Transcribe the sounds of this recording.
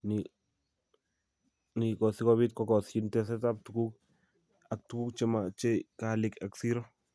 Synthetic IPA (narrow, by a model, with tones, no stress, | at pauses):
ni | ni˨kɔ˨si˦kɔ˦bi˦t̚kɔ˦kɔ˨si˦ntɛ˦s̬ɛ˦ta˦p̚tu˨ku˦k̚ | a˨k̚tu˦ku˦kt͡ʃe˦ma˨t͡ʃe˦ka˦lɪ˨ka˨ksi˦ɾɔ˦